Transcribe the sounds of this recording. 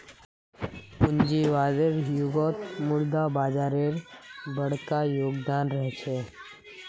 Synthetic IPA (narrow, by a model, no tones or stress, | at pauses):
puɲd͡ʒiʋadeɾjuɡɔt̪muɭd̪abad͡ʒaɾeɾbəɽkajoɡd̪anɾəɦt͡ʃʰe